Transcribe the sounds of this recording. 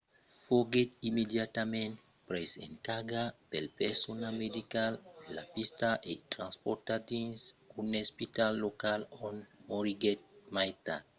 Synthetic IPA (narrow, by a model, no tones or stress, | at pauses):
foɡet̪imedjat̪amẽnt | pɾesḛ̃nkaɡapelpɛsonamedikallːapist̪aʔet̪ɾãnspɔt̪ad̪ĩnsunespitalːokalɔ̃nmoɾiɡɛt̚majt̪a